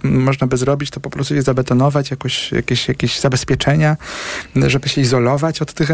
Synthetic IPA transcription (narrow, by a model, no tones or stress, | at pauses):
mɔʐnabɘzɾɔbʲit͡ɕt̪ɔpɔpɾɔst̪ujɛzabɛt̪ɔnɔvat͡ɕjakɔɕja̰kʲeɕjakʲeʑz̥abɛspʲjɛt͡ʂɛɲa | ʐɛbɘɕɛizɔlɔvat͡ɕɔt̪ːɘx